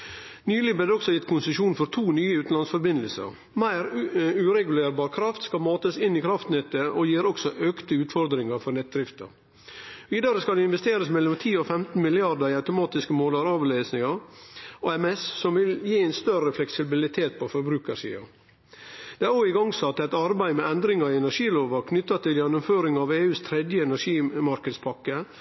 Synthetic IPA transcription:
nyːlɪblɛd̪ɔksɔjɪt̪kʰʊnsəʃuːnfɔɾt̪ʰuːnyːəʉːt̪n̩lɑnsfɔɾbɪnd̪əlsə̰ɾ | mæɪɾʉɾɛɡʉleːɾbɑːɾkʰɾɑft̪skɑlmɑːt̪əsɪnikʰɾɑft̪nɛt̪ːəʔɔjiːɾɔksɔʔøːkt̪əʉːt̪fɔɾd̪ɾɪŋəɾfɔɾnɛt̪̚d̪ɾɪft̪ə̰ɾ | ʋiːd̪ɑɾəskɑlɛɪnʋɛst̪eːɾəsmɛlːɔmt̪ʰiːɔfɛmt̪n̩mɪlɪɑɾd̪əɾɪɑʉt̪ʊmɑːt̪ɪskəmoːlɑɾɑːʋlesnɪŋəɾʔoɛmɛssɔmʋɪljiːɛɪnst̪œɾəflɛksɪbɪlɪt̪ʰeːt̪̚pʰɔfɔɾbɾʉːkəʂḭːɑ̰ | d̪̥ɛæɾoːɪɡɑŋsɑt̪ːæt̪ɑɾbæɪmɛɛnd̪ɾɪŋɑɾɪɛnæʂiːloːʋɑkʰnʏt̪ːɑt̪ɪljɛnːʊmføːɾɪŋɑʋeːʉːst̪ʰɾɛd̪jəɛnæʂiːmɑɾkəd̪spʰɑkːə

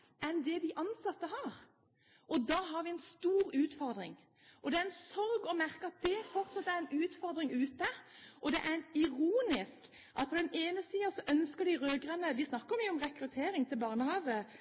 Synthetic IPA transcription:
ʔɛnd̪ɛd̪ɪʔɑnsɑt̪ːəɦɑɾ | ʔɔd̪ɑːɦɑɾʋɪɛnst̪uːɾʉːt̪fɔɾd̪ɾɪ̰ŋ | ʔɔd̪ɛæɾɛnsɔɾɡɔmæɾkəɑt̪̚d̪ɛfɔɾt̪sɑt̪ːəæɾɛnʉːt̪fɔɾd̪ɾɪŋʉːt̪əʔɔd̪ɛʔæɾɛnɪɾuːnɪsk | ʔɑt̪̚pʰɔd̪ɛneːnəsiːɑsɔʔœnskəɾd̪ɪɾøːɡɾɛnːəd̪ɪsnɑkːəɾmyːɔmʁɛkɾʉt̪ʰeːɾɪŋt̪ʰɪlbɑːʁnəhɑːʋə

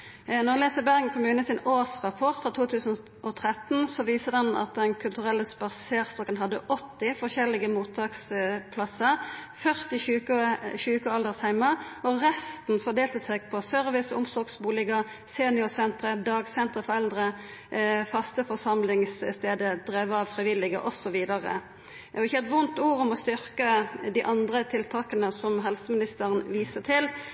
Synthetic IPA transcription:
nɔʁleːsəbæʁɡkʰʊmʉːnəsɪnoːʁsʁɑpʰɔʁt̪fʁɑt̪ʰuːt̪ʰʉːsən̩ | ʔɔt̪ʰʁɛt̪n̩sɔʋiːsəʁd̪ɛnɑ̰t̪̚d̪ɛnkʰʉlt̪ʉʁɛlːəspɑʁseːʁst̪ʁɔkənɦɑd̪ːə̰ʔɔt̪ːɪfɔʁʃɛlɪɡəmuːt̪ʰɑːkspʰlɑsəʁfœʁt̪ɪçʉːkəçʉːkəɑld̪əʁshæɪmɑɔʁɛst̪n̩fɔʁd̪eːlt̪əseːɡ̚pʰɔsœʁʋɪsʊ̰msɔɾɡsbuːlɪɡə | seːnɪʊsɛnt̪ɾəd̪ɑːɡsɛnt̪əfɔʁɛld̪ɾə | fɑst̪əfɔsɑmlɪŋsst̪eːd̪əd̪̥ʁeːʋəɑʋfʁɪʋɪlːɪɡə̰ʔɔsɔʋiːd̪ɑʁə̰ | ɔɪçːəɛt̪ʋʊnt̪uːʁʊmɔst̪ʏʁkəd̪iːʔɑnd̪ʁət̪ʰɪlt̪ʰɑːkənəsɔmɦɛlsəmɪnɪst̪əʁənʋiːsət̪ʰɪl

